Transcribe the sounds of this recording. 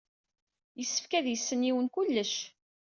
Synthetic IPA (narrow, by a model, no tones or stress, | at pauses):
jəsːə̥fkæðjəsːəniwənkʊlːəʃ